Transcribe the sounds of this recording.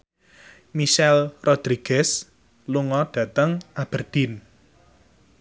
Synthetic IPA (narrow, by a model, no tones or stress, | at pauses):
miʃɛlrʔod̪̥ɾiɡ̥ɛs | luŋɔɖ̥ä̤t̪əŋab̥ərd̪̥in